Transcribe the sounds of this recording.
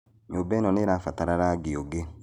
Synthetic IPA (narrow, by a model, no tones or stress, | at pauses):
ɲoːbɛnɔneɾafataɾaɾaɡeoɡe